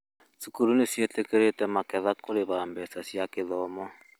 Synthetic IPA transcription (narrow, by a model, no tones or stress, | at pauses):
sukuɾunesiɛtekeɾetɛmakɛðakoleβambɛsasiakeðɔmɔ